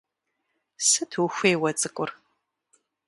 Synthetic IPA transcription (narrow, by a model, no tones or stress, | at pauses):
sɨtʰwuxʷeːwɐt͡sʼɨkʷʼʊr